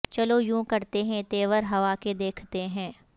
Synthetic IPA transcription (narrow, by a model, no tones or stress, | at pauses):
t͡ʃɐlojũːkɐɾt̪eɦɛ̃t̪eːʋəɾɦɐʋaːked̪eːkʰt̪eɦɛ̃ː